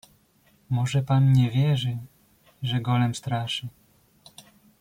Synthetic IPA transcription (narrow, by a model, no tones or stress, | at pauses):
mɔʐɛpanɲɛvʲjɛʐɘ | ʐɛɡɔlɛmst̪ɾaʂɘ